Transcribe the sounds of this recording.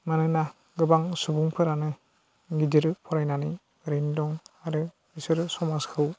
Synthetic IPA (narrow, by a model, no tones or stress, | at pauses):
manɯna | ɡɯbaŋsubuŋpʰɯɾanɯ | ɡidiɾpʰɔɾajnanɯ | ɾendɔŋaɾɯ | isɯɾsɔmaskʰɯw